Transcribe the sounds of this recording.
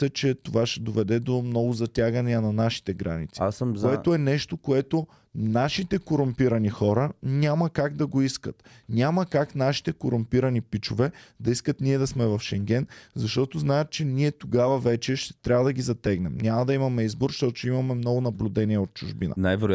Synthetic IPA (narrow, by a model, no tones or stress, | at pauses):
sət͡ʃɛt̪ovaʃɛd̪ovɛd̪ɛd̪omnɔɡʊzɐt̪ʲaɡənʲiənɐnaʃi̥t̪ɛɡɾa̰nit̪sikoɛt̪oɛnɛʃt̪okoɛt̪o | naʃit̪ɛkoɾʊmpiɾɐnixɔɾənʲamɐkaɡd̪ɐɡoiskət̪ | nʲaməkaknaʃi̥t̪ɛkoɾʊmpiɾɐnipit͡ʃovɛd̪ɐiskət̪niɛd̪ɐsmɛvɐfʃɛŋɡʲɛnzɐʃt̪ɔt̪oznaɛt̪̚t͡ʃɛniɛt̪oɡavɐvɛt͡ʃɛʃt̪ɛ̥t̪ɾʲabvɐd̪ɐɡizɐt̪ɛɡnɛmnʲamɐd̪ɐimɐmɛizboɾʃt̪ɔt̪ʊt͡ʃɛimɐmɛmnɔɡʊnɐblʲʊd̪ɛnʲiɛot̪̚t͡ʃʊʒbinə̰najvɛɾ